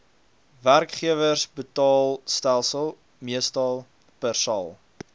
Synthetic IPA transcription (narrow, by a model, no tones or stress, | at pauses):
værkχiəvərsbətɑːlˠstælˠsəlˠ | miəstɐlˠ | pərsɑ̰lˠ